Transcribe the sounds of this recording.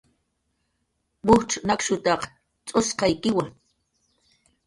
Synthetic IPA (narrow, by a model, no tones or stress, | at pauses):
bʊʈ͡ʂnakʃʊt̪ɑq | t͡sʼosqɑjkɪwaŋ